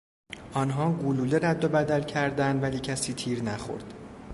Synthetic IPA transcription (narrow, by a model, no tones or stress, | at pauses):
ʔɒːnɦɒːɡuluːleɾæd̪ːobæd̪ælcʰæɾd̪ænd̪væliːcʰæsiːt̪ʰiːɾnæxo̰ɾd̪̥